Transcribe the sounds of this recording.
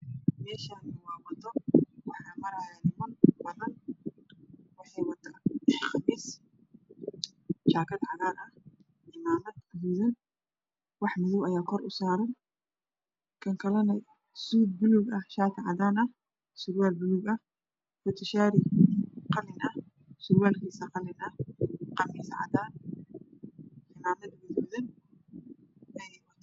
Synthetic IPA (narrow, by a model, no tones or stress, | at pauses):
mɛːʃanʊwaːwɐt̪ʰɔwɑħnɐmɐɾɐjɛnɪmɐnbɐðɐn | wɑħɑjwɐt̪ʰːaːχɑmiːs | ʃaːkʰɐdʕɑðaːnɐh | ɪmaːmɐd̪huːðɐn | wɑħmʊðʊbɐjaːkʰɔɾʔʊsaːɾɐn | kʰɐŋkʰɐlɐnɛ | suːd̪̚bʊluɡɐhʃaːkʰɐʕɑ̰ðaːnɐh | sʊɾwaːlbʊluɡɐh | fʊt̪ʰɪʃaːɾɪqɑlɪnɐh | sʊɾwaːlkʰiːsɐqɑlɪnɐqɑmiːsɐʕɑ̰ðaːn | ɪmaːmɐd̪ʊðuðɐn | ɛjɛwɐ